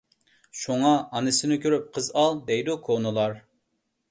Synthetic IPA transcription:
ʃuŋɑʔːnɨsɪnɪkʲʰøɾyp̚qʰəzɑlˠd̪ɛjd̪ukʰonɨlˠɑɾ

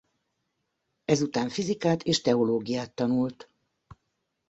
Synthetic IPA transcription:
ɛzut̪aːɱfizikaːt̪ʰeːʃt̪ɛo̞loːɡijaːt̪ːɒnult̪

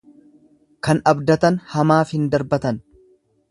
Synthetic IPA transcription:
kɐnɐbd̪ɐt̪ɐnhɐmaːfhɪnd̪ɐɾbɐt̪ɐn

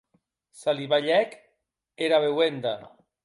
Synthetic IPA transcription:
saliβaʎɛk | eɾaβewend̪a

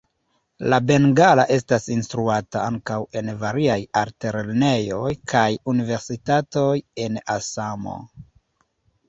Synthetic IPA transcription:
labe̞nɡalaʔe̞stasinstɾuataaŋkawe̞nvaɾiajaɾteɾelne̞jo̞jkʰajunive̞ɾsitato̞je̞nasamo̰

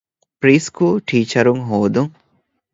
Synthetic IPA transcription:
pɾiːskuːlʈʰiːt͡ʃɐɾuŋɦoːd̪uŋ

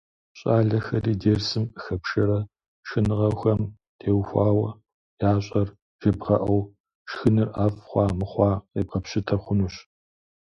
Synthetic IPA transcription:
ɕʼaːɮɐxɐriːdeːrsɨmɨxɐpʃɐɾɐ | ʂɨnɨʁɐxɐm | tʰeːwxʷɑːwɐ | jaːɕʼɐr | ʒ̥ɐbʁɐʔɐw | ʂxɨnɨrʔaːfχʷɑːmɨχʷɑːeːb̚qɐpɕɪtʰɐχʷʊnuːɕ

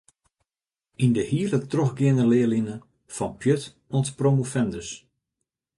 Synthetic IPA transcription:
indəhiələtroxɡɪənəlɪəlinə | fɔnpʰjøt | ɔntpromufɛndəs

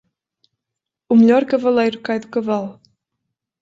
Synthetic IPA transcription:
umʎʲɔɾkɐvɐlˠejɾukajðukɐvalˠ

